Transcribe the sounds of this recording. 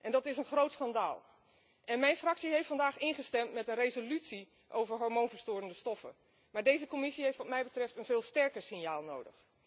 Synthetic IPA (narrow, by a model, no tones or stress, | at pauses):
ʔɛndɑtɪsənχrowtsχɑnda̰ːlˠ | ʔɛnmɛjnfrɑksiɦejftfɑndaːχɪnχəstɛmtmɛtənrejzolytsi | ʔowvəɹɦɔɹmoːnvəɹstʊːɾəndəstɔfə̰ | maːɹdejzəkomɪsiɦejftʋɑtmɛjbətrɛftənvɪːlˠstɛɹkəɹsɪnjaːlˠnowdə̰x